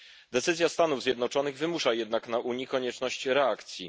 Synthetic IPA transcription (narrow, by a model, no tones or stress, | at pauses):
d̪ɛt̪sɘzʲjast̪anuvzʲjɛd̪nɔt͡ʂɔnɘɣvɘmuʂajɛd̪naknaʔuɲikɔɲɛt͡ʂnɔɕt͡ɕɾɛakt̪sʲjḭ